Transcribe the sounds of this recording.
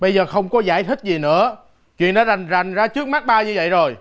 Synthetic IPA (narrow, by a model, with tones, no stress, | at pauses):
ɓə˧jzəː˨˩xə˧wŋ͡mkɔ˨˦zaː˧˩jt̪ʰï˦˥k̚zi˨˩nɨ̰˧˥ə | t͡ɕwḭ˧˨ənɗɔ˨˦˥ɗa˨˩jŋ̟za˨˩jŋ̟zaː˧t͡ɕɨ˦˥ək̚ma˦˥k̚ɓaː˧wɲɨ˧və̰˧˨jzo˨˩j